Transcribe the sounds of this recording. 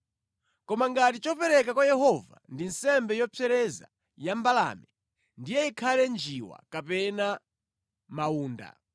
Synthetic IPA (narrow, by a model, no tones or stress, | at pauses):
kɔmaŋɡatit͡ʃɔpɛɾɛk̬akwajɛɦɔvandinsɛmbɛjɔpʰɛɾɛza̰ | jambala̰mɛ | ndijɛikʰalɛnd͡ʒiwa̰kapɛna | mauːnda̰